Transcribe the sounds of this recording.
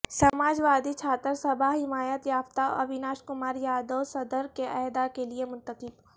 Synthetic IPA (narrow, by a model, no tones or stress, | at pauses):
ssɐmaːd͡ʒʋaːd̪it͡ʃʰaːt̪əɾsɐbaɦɪmaːjət̪jaːft̪aɔ̰ɔbɪnaːʃkʊmaːɾjaːd̪osɐd̪əɾkeʔɛːd̪akeliemʊ̃nt̪əqɪb